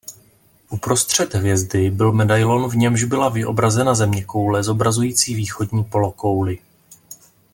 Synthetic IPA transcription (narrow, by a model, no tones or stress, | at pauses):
ʔupɾo̞st̪r̝̥ɛd̪ɦvjɛzdɪbɪlmɛdajlo̞nvɲɛmʒbɪlavɪʔo̞̰bɾazɛnazɛmɲɛko̞wlɛzo̞bɾazujiːt͡siːviːxo̞dɲiːpo̞lo̞ko̞wlɪ